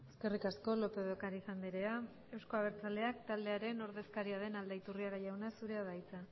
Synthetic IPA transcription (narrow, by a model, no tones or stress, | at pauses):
e̞ske̞rikasko̞lo̞pe̞ðokaɾisand̪iɾe̞a | e̞wsko̞aβ̞e̞ɾt͡sald̪e̞akt̪ald̪e̞aɾe̞no̞ɾðe̞skaɾiað̞e̞nald̪ait̪uriaɣajawnasuɾe̞aðajt͡sa